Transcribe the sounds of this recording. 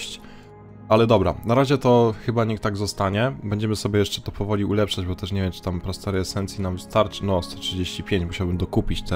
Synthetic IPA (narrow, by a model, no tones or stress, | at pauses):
ɕt͡ɕ | alɛd̪ɔbɾa̰naɾaʑɛt̪ɔxɘbaɲikt̪aɡzɔst̪aɲɛbɛɲd͡ʑɛmɘsɔbʲjɛjɛʂt͡ʂɛ̥t̪ɔpɔvɔlʲiulɛpʂad͡ʑbɔt̪ɛʂ̬ɲɛvʲjɛmt͡ʂɨ̥t̪ampɾɔst̪ɛɾɛɛsɛnt̪sʲjinamvst̪aɾt͡ʂɘ̥nɔst̪ɛ̥tʂɨd͡ʑeɕt͡ɕipʲjeɲt͡ɕmuɕawbɘmd̪ɔkupʲit͡ɕt̪ɛ